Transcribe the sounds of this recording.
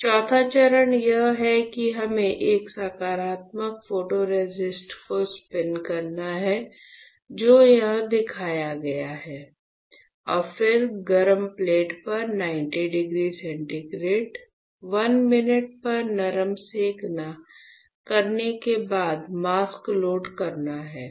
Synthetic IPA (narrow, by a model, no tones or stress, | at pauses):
t͡ʃɔːt̪ʰat͡ʃɐɾənjɐɦɦɛkiɦɐmẽʔeːksaːkaːɾaːt̪məkfoːʈoɾed͡ʒɪsʈkospɛnkɐɾnaɦɛ | d͡ʒoːjɐɦãd̪ɪkʰaːjaɡɐjaɦɛː | ɔːɾfɪɾɡɐɾəmpleːʈpɐɾnãːɪ̃ɳʈiɖɪɡɾiːsɛ̃ɳʈiɡɾeːʈ | ʋɐnmɪnɪʈ̚pɐɾnɐɾəmseːkna | kɐɾnekebaːd̪maːskloːɖkɐɾnaɦɛː